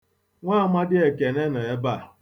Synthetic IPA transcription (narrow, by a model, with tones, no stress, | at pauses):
ŋʷaː˦˨ma˦dɪ˦e˨ke˨ne˦na˨e˦ba˦˨